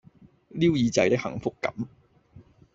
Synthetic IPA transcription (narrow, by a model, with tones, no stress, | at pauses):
liː˥wjiː˨˧t͡sɐ̰˧jt̪ɪ˥k̚hɐ̰˨˩ŋfʊ˥kːɐ̰˨˥m